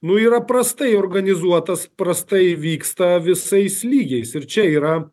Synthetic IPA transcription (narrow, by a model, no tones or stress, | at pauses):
nʊiːɾɐpɾɐst̪ɐɪoːɾɡɐnʲɪzuɔt̪ɐspɾɐst̪ɐɪʋʲiːkst̪ɐʋʲɪsɐɪslʲiːɡʲɛɪsɪɾt͡ʃʲɛiːɾɐ